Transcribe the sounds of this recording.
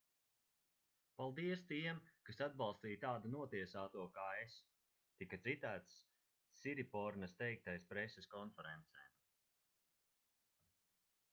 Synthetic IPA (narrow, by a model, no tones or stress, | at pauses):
palˠd̪iɛst̪iɛmkasad̪̚bɑlˠst̪iːjt̪aːd̪anuɔt̪iɛsaːt̪uɔkaːes | t̪ikat̪sit̪æːt̪sː | iɾipɔɾnɐst̪ɛjk̚t̪ajspɾeseskɔnfɛɾɛnt̪sɛjm